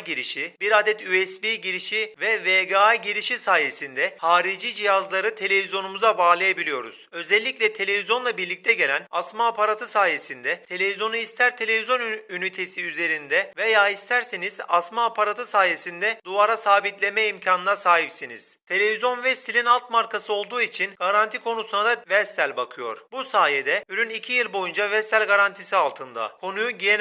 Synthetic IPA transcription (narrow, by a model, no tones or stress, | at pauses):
ɟiɾiʃibiɾad̪ɛt̪ʰyɛsbiːɟiɾiʃivɛveɡaɟiɾiʃisaːje̞sind̪ɛhaːɾid͡ʒiːd͡ʒijazlˠaɾɯt̪ʰe̞lʲe̞vizjo̞numuzabaːlˠajabilʲijo̞ɾṵz̥ø̞zɛlʲːicʲlʲɛt̪ʰe̞lʲe̞vizjo̞nlˠabiɾlʲic̚t̪ʰɛɟe̞lʲænasmaːpʰaɾat̪ʰɯsaːje̞sind̪ɛt̪ʰe̞lʲe̞vizjo̞nuist̪ʰæɾt̪ʰe̞lʲe̞vizjo̞nynit̪ʰe̞siyze̞ɾind̪ɛvejaːist̪ʰæɾseniz̥a̰smaːpʰaɾat̪ʰɯsaːje̞sind̪ɛd̪uaɾasaːbit̪lʲemɛimcʰaːnɯnasaːɦipsinḭz̥t̪ʰe̞lʲe̞vizjo̞nvɛst̪ʰilʲinalˠt̪maɾkʰasɯo̞lˠd̪uːit͡ʃʰinɡ̥aɾant̪ʰikʰo̞nusunad̪avɛst̪ælʲbakʰɯjo̞̰ɾ̥busaːjed̪ɛyɾʲynicʰijilʲˠbo̞jund͡ʒavɛst̪ælʲɡaɾant̪ʰisialˠt̪ʰɯnd̪a̰kʰo̞nujuɟijen